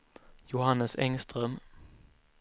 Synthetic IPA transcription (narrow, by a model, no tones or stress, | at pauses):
jʊhanːəsɛŋst̪ɾœːm